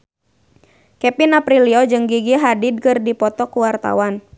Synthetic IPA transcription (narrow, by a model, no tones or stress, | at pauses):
kɛpinapɾiliɔd͡ʒɨŋɡiɡiɦadid̚kɨrdipɔt̪ɔkuwart̪a̰wan